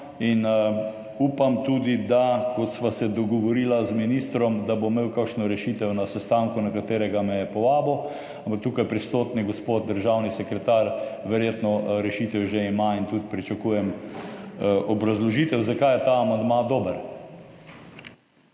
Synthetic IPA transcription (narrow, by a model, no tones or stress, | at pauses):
in | uːpamt̪uːd̪id̪akɔt̪sʋasɛd̪ɔɡɔʋɔɾiːlazminist̪ɾɔmd̪abomeːwkakʃnɔɾɛʃit̪ɛwnasɛst̪aːŋkunakat̪eːɾɛɡamɛjɛpɔʋaːbɔ | ampak̚t̪uːkajpɾist̪oːt̪niɡospot̪̚d̪əɾʒawnisɛkɾɛt̪aɾʋɛɾjet̪nɔɾɛʃit̪ɛwʒeimaint̪ud̪pɾit͡ʃakujɛm | ʔɔbɾazlɔʒiːt̪ɛwzakajɛt̪aːmand̪mad̪oːbəɾ